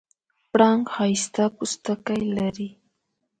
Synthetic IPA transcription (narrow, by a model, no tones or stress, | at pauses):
pɽaŋhajst̪apʊst̪akajlaɾi